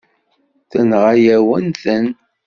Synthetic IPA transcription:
θənʁajæwənθən

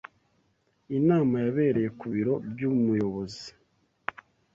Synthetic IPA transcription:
inaːmajaβe̞ːɾe̞je̞kuβiɾo̞bjumujo̞βo̞zi

